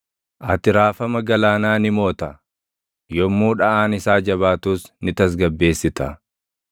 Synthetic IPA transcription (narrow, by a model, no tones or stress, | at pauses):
ʔɐt̪ɪɾaːfɐmɐɡɐlaːnaːnɪmo̞ːt̪ɐ | jɔmːuːᶑɐʔaːnɪsaːd͡ʒɐβaːt̪uːsnɪt̪ɐs̬ɡɐbːe̞ːsːɪt̪ɐ